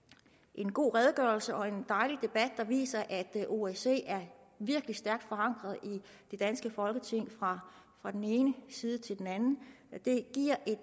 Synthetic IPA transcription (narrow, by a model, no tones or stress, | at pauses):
ʔe̝nɡ̥o̝̰ːʁɛːð̞ˠɡ̥ɶɐlsəʔɒ̽e̝nd̥ɑ̈ɪlid̥e̝b̥æd̥̚ːɑ̈ʋḭːsɐʔæd̥ʔo̝ese̝̰ːæɐ | ʋiɐɡ̥lisd̥æɐɡ̥̚d̥fɒ̽ɑ̈ŋ̰ɡ̥ʁɐð̞̩ˠid̥e̝d̥ænsɡ̥əfɒ̽lɡ̥ət͡sʰe̝ŋ̰fʁɑfʁɑ̈d̥en̩e̝ːnəsiːð̞ˠət͡sʰe̝ld̥enænn̩d̥e̝ɡ̥iɐ̰ʔe̝̥